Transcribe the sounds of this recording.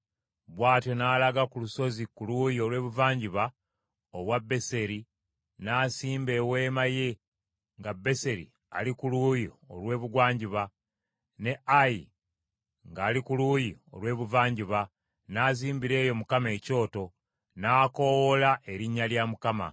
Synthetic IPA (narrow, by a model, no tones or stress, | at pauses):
βwaːtjo̞naːlaɡakuluso̞zikuluːjio̞lwe̞ːβuvaːɲɟiβa | oβwabːe̞se̞ɾi | naːsiːmbe̞ːwe̞ːmaje̞ | ŋɡabːe̞se̞ɾḭ | a̰likulujio̰lwe̞ːβuɡwaːɲɟiβa | ne̞ʔaji | ŋɡaːlikulujio̞̰lwe̞ːβuvaːɲɟiβa | naːziːmbiɾe̞ːjo̞mukame̞ːco̞ːto̞ | naːko̞wolaʔe̞ɾiɲːaljamukama̰